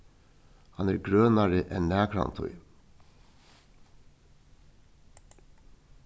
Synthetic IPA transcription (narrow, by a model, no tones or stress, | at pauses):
hɑnæːɾɡɾœːnɑɹəʔɛnnæːkʰɾɑ̰nt̪ʰɔ̰ʏ